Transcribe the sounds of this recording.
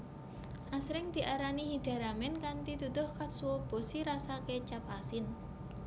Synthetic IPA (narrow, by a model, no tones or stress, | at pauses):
ʔasɾɪŋd̪̥i̤ʔaɾanihiɖ̥a̤ɾamɛnkant̪it̪ut̪ʊhkat̪̚suwob̥osiɾasaket͡ʃapasɪn